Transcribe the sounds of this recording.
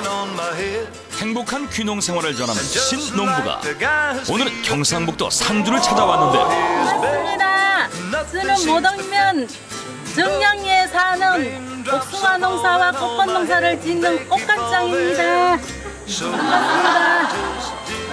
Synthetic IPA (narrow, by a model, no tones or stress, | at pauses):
he̞ŋbokʰankʰɥinoŋsʰe̞ŋwaɾɯɭt͡ɕʌnɦamɕʰinːombuɡa̰onɯɭkjʌŋsʰaŋbuk̚t͈ʌ̰sʰand͡ʑuɾɯɭt͡ɕʰad͡ʑawanːɯnde̞̰aɯɲida | t͡ɕɯnɯnmodʌŋmjʌn | t͡ɕɯŋɲʌŋesʰanɯn | kok̚tʰuŋanoŋsʰawak͈ok͈ʌnːoŋsʰaɾɯɭt͡ɕinːɯnk͈ok̚k͈ak̚t͡ɕ͈aŋimɲida | ʌnɡasmɲida